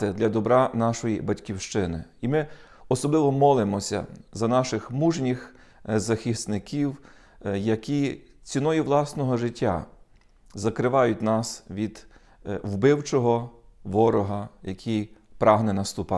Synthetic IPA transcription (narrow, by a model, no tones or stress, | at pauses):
ɪd̪lʲɐd̪ɔbɾɑnɑʃɔjibɐtʲkʲiwʃt͡ʃɪnɪ̰imɪɔsɔblˠɪʋɔmɔlˠɪmɔsʲɐ̰zɐnɑʃɪxmuʒnʲix | zɐxʲisnɪkʰʲiw | jɐkʲi | t͡sʲinɔjiʋlˠɑsnɔɦɔʒɪtʲːa̰ | zɐkɾɪʋɑjʊtʲnɑsʋʲid̪ | wbɪwt͡ʃɔɦɔʋɔɾɔɦɐjɐkʰʲijpɾɑɦnɛnɐst̪ʊpɑ